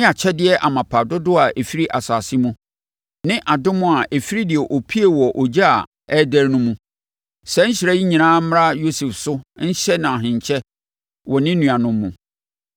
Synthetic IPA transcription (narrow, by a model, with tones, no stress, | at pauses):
a˨t͡ɕʰɛ˦dɪ˦ɛ˦ʔa˨mã˨pʰa˨dʊ˦dʊ˦a˨ʔe˨fi˦ɾi˦ʔa˨saː˨sɪ˦mũ˦ | nɪ̃˦ʔa˨dʊ̃˦mʊ̃˦a˨ʔe˨fi˦ɾi˦dɪ˨ɛ˨ʔo˨pʰi˦e˨wɔ˨ʔɔ˨d͡ʑa˦a̰˨ | ɛ˦dæ˦ɾnʊ̃˦mũ˦ | sɛ˦ɲ̩˦ɕɪ˨ɾæ˦ji˦ɲĩ˨nãː˦m̩˦m˦ɾa˦jo˦su˨fsʊ˦n̩˦ɕɛ˦nã˨ɔ˨ɦɪ̃˨ɲt͡ɕʰɛ˦ | wɔ˨nɪ̃˦nũ˨a˨nʊ̃˦mːũ˨